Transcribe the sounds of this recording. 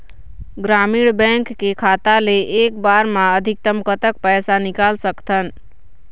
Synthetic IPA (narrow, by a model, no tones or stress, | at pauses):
ɡɾamiɽbɛ̃ŋkːekʰat̪aleʔːkbaɾmãəd̪ʱik̚t̪əmkət̪ək̚pəjsanikalsəkt̪ʰən